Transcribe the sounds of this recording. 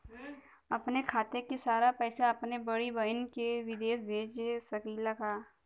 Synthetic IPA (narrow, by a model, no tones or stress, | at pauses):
ɐpnekʰaːt̪ekesaːɾapɛːsaɐpnebɐɽibɐnkeʋɪd̪eːsbʱeːd͡ʒesɐkiːlakaː